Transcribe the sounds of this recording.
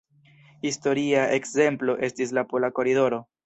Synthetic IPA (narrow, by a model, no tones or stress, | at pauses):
histo̞ɾiaʔe̞kze̞mplo̞ʔe̞stis̬lapo̞lako̞ɾido̞ɾo̞